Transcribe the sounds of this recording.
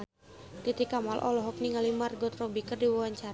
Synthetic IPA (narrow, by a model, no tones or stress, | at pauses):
t̪it̪ikamalʔɔ̰lɔɦɔk̚niŋalimarɡɔt̪rɔbikərdiwawaɲt͡ʃaɾ